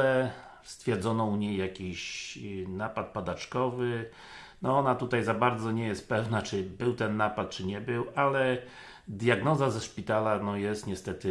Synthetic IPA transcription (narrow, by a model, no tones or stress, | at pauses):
ɛ | st̪fʲjɛɾd̪zɔnɔ̃uɲejːakʲiɕnapat̪̚pad̪at͡ʂkɔvɘ | nɔɔnat̪ut̪ajzabaɾd̪zɔɲɛjɛst̪̚pɛvnat͡ʂɘbɘwt̪ɛnːapat̪̚t͡ʂɘɲɛbɘwalɛ | d̪jaɡnɔzazɛʂpʲit̪alanɔjɛst̪ɲɛst̪ɛt̪ɘ